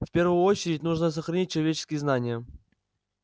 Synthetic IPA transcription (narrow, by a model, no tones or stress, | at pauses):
fʲpʲe̞rvʊjʊo̞t͡ɕɪɾʲɪtʲnuʐnəs̬əxɾɐnʲit̚ʲt͡ɕːɪlˠɐvʲet͡ɕɪ̥skʲɪjəznanʲɪjə